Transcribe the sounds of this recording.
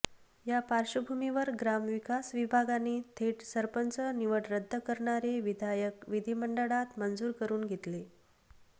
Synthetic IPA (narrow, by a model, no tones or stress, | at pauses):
japaɾɕəbʱumiʋəɾɡɾamʋikasʋibʱaɡanːiːt̪ʰeʈsəɾpənt͡səniʋəʈɾəd̪ʱːəkəɾɳaɾeʋid̪ʱajəkʋid̪ʱiməɳɖəɽat̪mənd͡zuːɾkəɾuːnɡʱet̪le